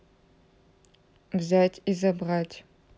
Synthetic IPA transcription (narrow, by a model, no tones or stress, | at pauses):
bzaːtʰizɐbʁaːtʰʲ